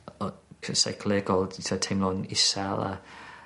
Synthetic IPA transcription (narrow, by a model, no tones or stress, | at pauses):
kʰəsa̰jkʰlɛɡɔlˠtʰatʰejmlˠɔnɪsalˠa̰